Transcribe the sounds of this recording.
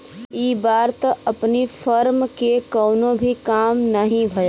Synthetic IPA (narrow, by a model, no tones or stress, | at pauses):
iːbaːɾt̪ɐpnifʰəɾmkekɔːnõbʱikaːmnɐɦĩbʱɐja